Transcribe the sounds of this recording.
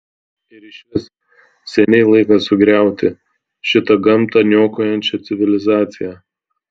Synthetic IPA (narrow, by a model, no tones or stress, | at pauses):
ɪɾɪʃʲʋʲɪs | sʲɛnʲɛɪlˠɐɪkɐsʊɡɾʲæˑʊt̪ʲɪ | ʃʲɪt̪ɐɡɐmt̪ɐnʲoːkoːjɛnʲt͡ʃʲɛt̪sʲɪʋʲɪlʲɪzɑːt̪sʲɪjæː